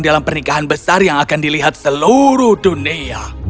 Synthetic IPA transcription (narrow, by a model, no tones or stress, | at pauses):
ŋdalampərnikaɦanbəsarjaŋakandiliɦat̪̚səluɾuhdunia